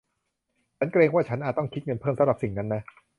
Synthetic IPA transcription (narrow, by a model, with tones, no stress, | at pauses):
t͡ɕʰa˦˥nkɾeː˧ŋwaː˥˩t͡ɕʰa˦˥nʔaː˨˩t̪ɔ˥˩ŋkʰi˦˥t̪̚ŋɤ˧npʰɤː˥˩msa˧˦mɾa˨˩p̚si˨˩ŋna˦˥nːa˦˥